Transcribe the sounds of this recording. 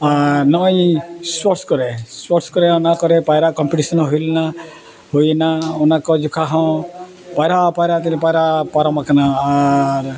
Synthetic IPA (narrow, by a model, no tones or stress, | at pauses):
aɾnɔjĩswɔɾskɔɾeswɔɾskɔɾeɔnakɔɾepajɾakɔmpiʈisɔnɔɦojlna | hojenaɔnakɔd͡ʒukʰaɦɔ̃ | pajɾapajɾat̪inipajɾapaɾɔmakanaːɾ